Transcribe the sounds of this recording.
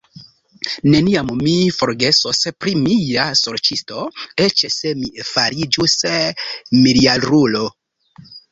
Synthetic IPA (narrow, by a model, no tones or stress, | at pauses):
ne̞niammifo̞ɾɡe̞sospɾimijasoɾt͡ʃisto̞e̞t͡ʃese̞mifaɾid͡ʒus | milialɾulo